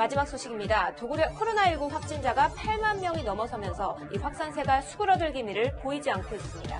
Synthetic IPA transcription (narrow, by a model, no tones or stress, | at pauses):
mad͡ʑimak̚s͈ʰoɕʰiɡimɲidatkʰoɾonaiɭɡuɸwak̚t͡ɕ͈ind͡ʑaɡapʰaɭmanmjʌŋinʌmʌsʰʌmjʌnsʰʌ | iɸwak̚s͈ansʰe̞ɡasʰuɡɯɾʌdɯɭɡimiɾɯɭpoid͡ʑiankʰois͈ɯmɲida̰